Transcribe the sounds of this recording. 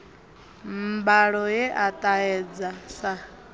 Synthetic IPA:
mbaɺɔjeʔat̪ʼaɛd͡zasa

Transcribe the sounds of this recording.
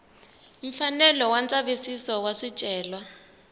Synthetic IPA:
uɱfanɛlɔwant͡sʼaβisisɔwasit͡ʃʼɛːlwa

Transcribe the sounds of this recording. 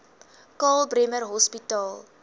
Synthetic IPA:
kɑːlˠbrɛmərɦɔspitɑːlˠ

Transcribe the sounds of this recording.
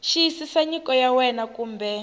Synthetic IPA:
ʃijsisaɲikɔjawɛnakuːmbɛ

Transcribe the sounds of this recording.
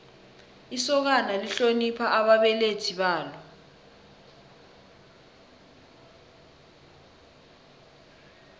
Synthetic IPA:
isɔk̬analiɬonipʰaʔaɓaɓɛletʰiɓaːlɔ

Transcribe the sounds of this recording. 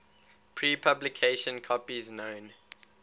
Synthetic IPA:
pʰɹiːpʰablikʰeʃə̃nkʰɔpiznõʊ̃n

